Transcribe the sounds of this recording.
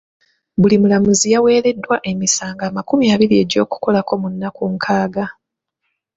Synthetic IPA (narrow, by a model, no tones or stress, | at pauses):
bulimulamuzijawe̞ːɾe̞dːwaʔe̞misaːŋɡaːmakumiaːβiɾie̞ɟo̞ːku̥ko̞lako̞munːakuŋkʰaːɡa